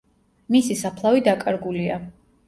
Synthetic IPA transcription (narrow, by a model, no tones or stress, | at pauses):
misisapʰlˠavid̪akʼaɾɡulia